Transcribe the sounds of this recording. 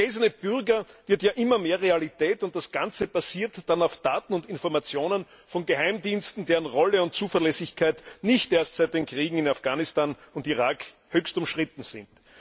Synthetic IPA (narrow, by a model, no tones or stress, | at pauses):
eːzɐnəb̥ʏʁɡɐvɪɐtjaːʔɪmɐmeːɐʁealitɛːtʊnt̚d̥asɡ̥ãnt͡səb̥aziːɐtd̥anaʊfd̥aːtn̩ʊntɪnfɔɐmat͡sjoːnən | fɔnɡəhæɪmdiːnstn̩deːʁənʁɔləʊnt̚t͡suːfɐlɛsɪçkʰaɪtnɪçtʔeːɐstsæɪt̚d̥eːnkʁ̥iːɡŋ̩ɪnafɡ̥aːnɪstaːnʊntiʁaːk | høːçstʊmʃʁ̥ɪtn̩z̥ɪ̰nt